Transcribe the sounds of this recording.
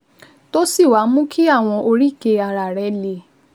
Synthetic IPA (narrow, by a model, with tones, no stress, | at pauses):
to˦si˦˨wa˨˦mũ˦ki˦a˦˨w̃ɔ̃˧ʔo˧ɾi˦˨ke˧a˧˨ɾa˨ɾɛ˧˦le˧